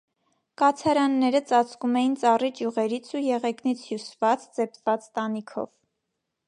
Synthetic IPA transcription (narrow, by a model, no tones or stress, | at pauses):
kɑt͡sʰɑɾɑnːɛɾət͡sɑt͡skumɛjint͡sɑrit͡ʃjuʁɛɾit͡sʰujɛʁɛknit͡sʰjusvɑt͡st͡sɛpʰvɑt͡st̪ɑnikʰɔ̰v